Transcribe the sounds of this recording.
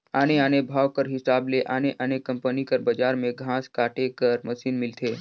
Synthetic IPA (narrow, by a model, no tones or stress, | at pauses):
aːneaːnebʱaːʋkəɾɦɪsaːbleʔaːneʔaːnekɐ̃mpənikəɾbəd͡ʒaːɾmẽɡʱãːskaːʈekəɾmɐʃiːnmɪlt̪ʰeː